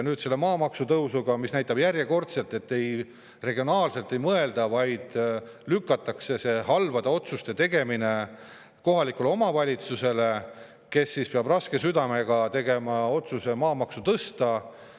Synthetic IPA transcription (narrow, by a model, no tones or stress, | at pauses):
nyːd̪̥se̞lːe̞mɑːmɑksut̪ɤwsuɡ̥ɑmisnæjt̪ːˑɑb̥jæɾjeko̞rt̪se̞lt̪ːˑe̞t̪ːe̞j | re̞ɡio̞nɑːlse̞lt̪ːˑe̞jmɤe̞ld̪̥ɑvɑjd̪̥ | lykːɑt̪ːˑɑkse̞se̞ɦɑlvɑd̪ɑo̞t̪sust̪e̞t̪e̞ɡe̞mine̞ | ko̞ɦɑlikuleo̞mɑvɑlʲit̪suse̞le̞ | ke̞sːispeɑbrɑske̞syd̪ɑme̞ɡ̥ɑt̪e̞ɡe̞mɑo̞t̪suse̞mɑːmɑksut̪ɤst̪ɑ